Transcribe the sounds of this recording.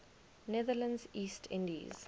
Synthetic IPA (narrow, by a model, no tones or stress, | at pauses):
nɛðələ̃nziːstʰɪ̰̃ndiz̥